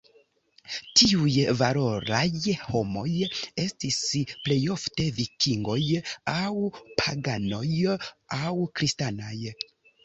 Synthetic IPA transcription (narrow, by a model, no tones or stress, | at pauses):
tiujvalo̞ɾajho̞mo̞je̞stisple̞jo̞fte̞vikiŋɡo̞jawpʰaɡano̞jawkɾistanaj